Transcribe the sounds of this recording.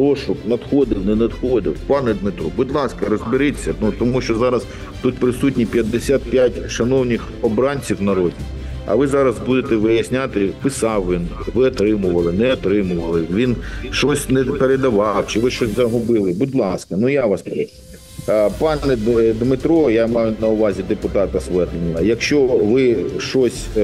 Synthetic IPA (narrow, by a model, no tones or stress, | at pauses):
pɾɔʃʊknɐd̪xɔd̪ɪwnɛnɐd̪xɔd̪ɪ̰wpɑnɛd̪mɪt̪ɾɔbʊdʲlˠɑskɐɾɔzbɪɾɪt͡sʲːɐnut̪ɔmuʃt͡ʃɔzɑɾɐs | t̪ut̪̚pɾɪsutʲnʲipʲjɐd̪ːesʲat̪̚pʲjatʲʃɐnɔwnʲɪx | ɔbɾɑnʲt͡sʲiwnɐɾɔdʲi | ɐ̰ʋɪzɑɾɐzbud̪et̪ɛʋɪjɐsʲnʲat̪ɪpɪsɑwʋʲinʋɪɔt̪ɾɪmʊʋɐlˠɪnɛɔt̪ɾɪmʊʋɐlˠɪʋʲinʃɔsʲnɛpeɾed̪ɐʋɑwt͡ʃɪʋɪʃt͡ʃɔsʲzɐɦʊbɪlˠɪbʊdʲlˠɑskɐnujaʋɑspɐɪ | pɑnɛd̪mɪt̪ɾɔjamɑjʊnɐʊʋɑzʲid̪epʊt̪ɑt̪ɐsʋɛt̪ɪnʲɪlˠɐjɐkʃt͡ʃɔʋɪʃt͡ʃɔsʲ